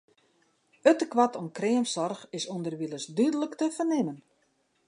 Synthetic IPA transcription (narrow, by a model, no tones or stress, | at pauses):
ətəkʋatonkrɪəmsɔrxɪsundərʋilˠəsdydələktəfərnɪmən